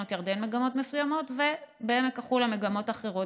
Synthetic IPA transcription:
ot̪jaʁdenmeɡamo̞tmesujamo̞tve̞beemekaχulemeɡamo̞taχeʁo̞t

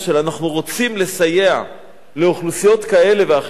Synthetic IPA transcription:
ʃelanaχnuʁo̞t͡simle̞saje̞a̰ | le̞oχlusijo̞t̪kae̞le̞veaχ

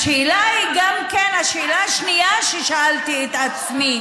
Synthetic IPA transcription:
ʃeːlaiɡamkenaʃeːlaːʃniaʃeʃaalt̪iet̪at͡smi

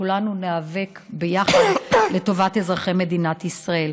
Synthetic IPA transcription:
ulanuneave̞k | bejaχadle̞to̞vate̞zʁaχeme̞d̪inat̪isʁae̞l

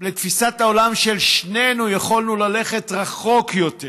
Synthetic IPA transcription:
let̪fisataolamʃelʃne̞nujaχolnulale̞χe̞tʁaχo̞kjo̞te

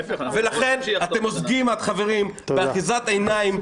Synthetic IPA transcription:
velaχe̞nat̪e̞mozɡimat̪χave̞ʁimbeaχizat̪aenaim

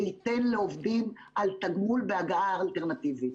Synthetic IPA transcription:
it̪enleovd̪im | ʔalt̪aɡmulbeaɡaaːlt̪eʁnat̪ivit

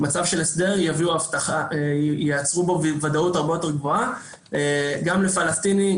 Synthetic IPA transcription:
mat͡savʃelesd̪e̞ʁjaviuaft̪aχajeat͡sʁubovvadautaʁbeote̞ʁɡvo̞a | eɡamle̞falast̪ini

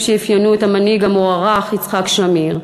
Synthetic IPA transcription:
ʃeefjanuetamaniɡamoaʁaχit͡sχakʃamiʁ

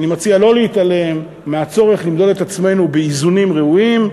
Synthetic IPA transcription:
nimat͡sialo̞leit̪ale̞mː | eat͡so̞ʁe̞χlimd̪o̞det̪at͡sme̞nubeizunimʁeuim

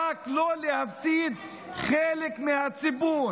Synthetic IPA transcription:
aklolehafsid̪ | χelekmehat͡sibuːɾ

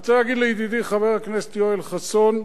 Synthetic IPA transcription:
t͡saaɡid̪lejid̪id̪iχaveʁaknest̪ioelχason

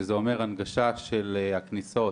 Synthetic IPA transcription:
zeome̞ʁanɡaʃaʃelehakniso̞

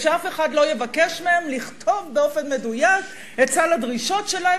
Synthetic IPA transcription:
ʃeafe̞χadlo̞je̞vakeʃmeemliχtʰo̞vbeo̞fe̞nme̞dujak | ett͡saladʁiʃo̞tʃelahe

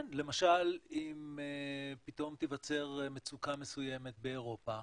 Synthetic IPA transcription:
nle̞maʃalimepit̪o̞mt̪ivat͡se̞ʁmet͡sukame̞suje̞me̞t̪̚beːʁo̞pa

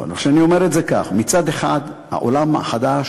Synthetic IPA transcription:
noʃeanio̞me̞ʁetzeka̰χmit͡sad̪eχad̪ha̰ʔo̰lama̰χad̪aʃ

